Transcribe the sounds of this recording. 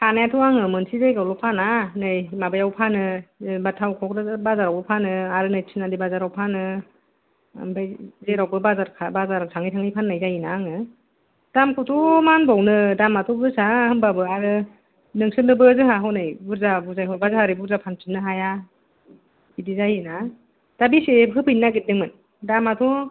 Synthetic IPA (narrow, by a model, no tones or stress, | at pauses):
pʰanajatʰuaŋɯmɯnsʰizajɡawlɔpʰananɯjmabajawpʰanɯbatʰawkʰɔk̚dɯbazaɾawbɯpʰanɯaɾɯnɯjtʰinadibazaɾawpʰanɯ | mbajzeɾawbɯbazaɾkʰabazaɾasʰaŋɯjtʰaŋijpʰanːajzajinaŋɯ | d̥amkʰɔtʰɔmanbawnɯdamatʰɔbɯsahɯŋbabɯaɾɯ | nɯŋsɯnɯbɯzɯɦaɦɯwnajbuɾzabuzajɦɔbazahaɾɯbuɾzapʰansʰinɯɦaja | idizajina | d̥abiseɦɯpʰɯjnːaɡit̚dɯŋmɯn | damatʰɔ